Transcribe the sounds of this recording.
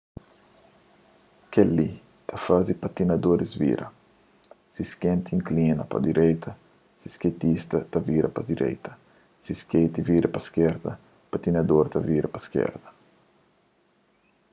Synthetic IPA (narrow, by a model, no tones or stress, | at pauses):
keli | t̪ʰɐfazd̪ipɐt̪inɐd̪oɾizvḭɾʔɐ̰ | siskẽnt̪ĩŋklinɐpɐ̰d̪iɾʔɛjt̪ʰɐ | sisket̪ist̪ɐt̪ɐviɾɐpɐd̪iɾʔɛ̰jt̪ɐ̥ | siskejt̪iviɾɐpɐskɛɾd̪ɐ | pɐt̪inɐd̪oɾt̪ɐviɾɐpɐskɛ̰ɾd̪ɐ